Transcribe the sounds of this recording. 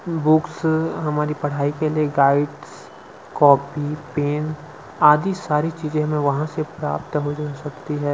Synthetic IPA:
bʊksɦɐmaːɾipɐɽ̤aːikelieɡaːɪɖs | kɔːpipeːn | aːd̪isaːɾit͡ʃiːzẽmẽʋɐɦãsepɾa̰ːpt̪ɦod͡ʒasɐkt̪iɦɛː

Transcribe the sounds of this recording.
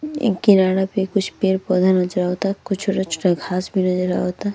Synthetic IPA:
kinaːɽapekʊt͡ʃʰpeːɾpɔːd̪ʱanɐd͡ʒɾaɦot̪akʊt͡ʃʰoʈat͡ʃʰo̥ʈaɡʱaːsbʱinɐd͡ʒəɾa̰ɦoːt̪a

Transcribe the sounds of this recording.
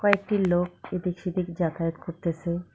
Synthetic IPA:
kɔek̚ʈilok̚ed̪ikʃid̪ikd͡ʑat̪ʰajot̪koɾt̪esʰe

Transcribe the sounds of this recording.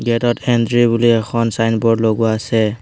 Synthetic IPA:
ɡɛtɔtʰɛndɹibuliɛkʰɔnsajnbɔɹdloɡuaːsɛ

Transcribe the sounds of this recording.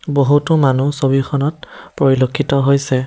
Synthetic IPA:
boɦutʊmanusobixʰɔnɔt̚pɹɔɹilokʰːitɔɦojsɛ

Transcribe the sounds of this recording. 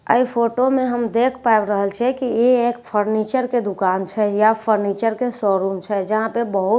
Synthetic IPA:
ə̰ipʰoʈomeɦəmd̪ekʰpaebɾəɦəlt͡ʃʰɛkieekpʰəɾnit͡ʃəɾked̪ukant͡ʃʰɛjapʰəɾnit͡ʃəɾkesɔɾumt͡ʃʰɛd͡ʒəɦãpebəɦut̪

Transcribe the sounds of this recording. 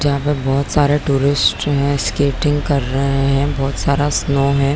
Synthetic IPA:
d͡ʒɐɦãpebɔːt̪saːɾeʈuːɾɪsʈɦɛ̃skeːʈɪ̃ŋɡkɐɾːɐɦeɦɛ̃bɔːt̪saːɾasnoːɦɛ̃

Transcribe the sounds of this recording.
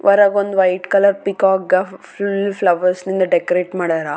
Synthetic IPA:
ʋʔɐɾaːɡond̪uʋɐjʈkɐlɐɾpikaːkɡɐfulpʰlɐʋɐɾsnind̪ɐɖekɐɾeːʈmaːɽɐɾa

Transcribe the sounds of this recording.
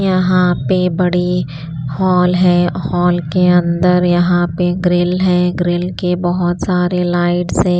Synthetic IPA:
jɐɦãpebɐɽi | hɔːlɦɛ̃hɔːlkeɐ̃nd̪əɾjɐɦãpeɡɾɪlɦɛ̃ːɡɾɪlkebɐɦʊt̪saːɾelaːɪʈsɛ̃

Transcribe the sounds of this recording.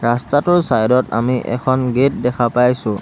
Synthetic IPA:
ɹastatʊɹsajdɔta̰miʔɛ̰kʰɔnɡet̚dɛkʰapajsʊ̃

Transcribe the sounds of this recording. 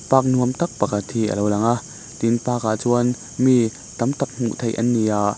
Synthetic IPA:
paːk̚nuəmt̪ɐk̚pakʰɐt̪hiʔə̰lowlɐŋʔaʔ | t̪inpaːkaʔt͡suən | mi | t̪ɐmt̪ɐk̚m̥ṵʔt̪ʰejʔɐ̰nːiʔaʔ

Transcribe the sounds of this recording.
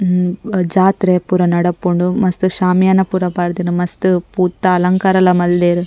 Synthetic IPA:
d͡ʒaːt̪ɾepuːɾɐnɐɽɐpːuɳɖumɐst̪uʃaːmjaːnɐpuːɾɐbaːɾd̪inumɐst̪upuːt̪ːɐːlɐŋkaːɾɐlɐmɐld̪eːɾu

